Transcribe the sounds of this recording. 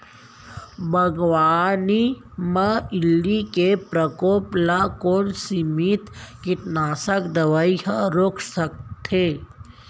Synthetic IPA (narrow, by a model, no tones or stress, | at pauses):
bʱəɡʋaːni | maɪlːikepɾəkoːplakoːnsimit̪kɪʈnaːsəkd̪ɐʋaiɦəɾoːkʰsək̚t̪ʰe